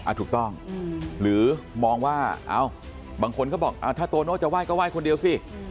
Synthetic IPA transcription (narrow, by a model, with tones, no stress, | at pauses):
ʔa̰˨˧˩t̪ʰuː˨˩k̚t̪ɔ˥˩ŋɾɯː˩˦mɔː˧ŋwaː˥˩ʔa̰ː˧˩w | baː˧ŋkʰo˧nkʰa˥˩bɔː˨˩k̚ʔa̰ː˧˩wt̪ʰaː˥˩t̪oː˧noː˥˩t͡ɕa˨˩waː˥˩jkɔː˥˩waː˥˩jkʰo˧ndi˧ə˧wsi˧˥˩